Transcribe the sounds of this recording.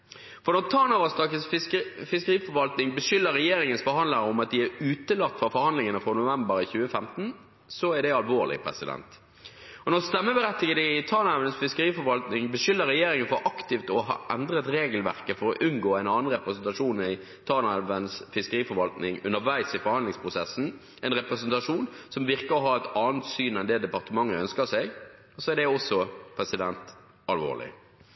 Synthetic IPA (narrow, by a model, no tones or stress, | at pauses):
fɔnɔʁt̪ʰɑːnɑʋɑst̪ɑkəsfɪskəʁiːfɔɾʋɑlt̪nɪŋbəʂʏlːəɾɛjeːɾɪŋənsfɔɾhɑnd̪ləɾəʊmɑt̪̚d̪ɪæɾʉːt̪əlɑt̪ːfɑfɔɾhɑnd̪lɪŋənəfɾɑnʊʋæmbəɾɪçʉːəfɛmt̪n̩ | sɔæd̪ɛɑlʋoːʁlɪ̰pʰɾɛ̰sɪd̪ɛ̰nt̪ | ɔnɔst̪ɛmːəbəɾɛt̪ːɪɡəd̪ɪt̪ʰɑːnɑʋənsfɪskəɾiːfɔɾʋɑlt̪nɪŋbəʂʏlːəɾɛjeːɾɪŋənfɔɾʔɑkt̪ɪft̪ɔɦɑ̰ːʔɛnd̪ɾət̪ɾeːɡəlʋæʁkəfɔɾɔʔʉnɡoːæɪnɑːnən̩ɾɛpɾɛsɛnt̪ɑʂuːnɪ | t̪ʰɑːnɛʋənsfɪskəɾiːfɔɾʋɑlt̪nɪŋʉ̰nːəɾʋæɪsɪfɔɾʁhɑnlɪŋspʰʁʊsɛsn̩ | ɛɪnʁɛpɾɛsɛnt̪ɑʂuːnsɔmʋɪʁkəɾɔɦɑːɛt̪ɑːnt̪syːnɛnd̪ɛːd̪ɛpɑʁt̪əmɑŋːəœnskəsɛɡ | sɔɛʁɖd̪ɛɔsːɔpʰɾɛsɪd̪ɛnt̪ | ɑlʋo̰ːʁlɪ̰